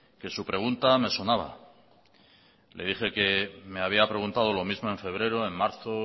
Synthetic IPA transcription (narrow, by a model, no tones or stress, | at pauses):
ke̞supɾe̞ɣunt̪ame̞sonaβ̞a̰ | le̞ðixe̞ke̞me̞aβ̞iapɾe̞ɣunt̪að̞olo̞mizmoe̞ɱfe̞β̞ɾe̞ɾoe̞ŋmaɾθo